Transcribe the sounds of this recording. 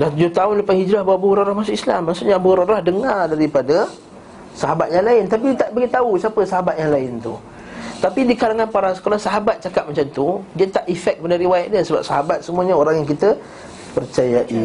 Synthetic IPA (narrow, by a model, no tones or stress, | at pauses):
laht̪ud͡ʒʊht̪aʊnlapanhid͡ʒɾahbawaʔbuɾoɾahmasʊʔisla̰mːaʔsʊʔɲabuɾaɾahdəŋardaɾipadə | saɦabat̪̚jaŋlaɪnt̪ap̬it̪aʔbaɡit̪ausiapəsaɦabat̪̚jaŋlaɪnt̪u | t̪apidikalaŋanpaɾaskalasaɦabat̪̚t͡ʃakap̚mat͡ʃant̪udiat̪aʔifɛk̚ːəpadəɾiwaɛʔ̪̚dasəba̰p̚saɦabat̪̚səmuəɲaoɾaŋjaŋkit̪ə | pərt͡ʃajaʔi